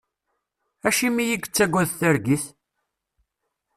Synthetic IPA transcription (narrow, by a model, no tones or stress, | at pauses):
æʃimijiɡʷət͡sːæɡʷːæðθæɾɡiθ